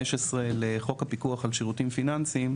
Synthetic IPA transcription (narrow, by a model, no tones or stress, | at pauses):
eʃesʁeleχo̞kapikuaχalʃeʁutimfinansim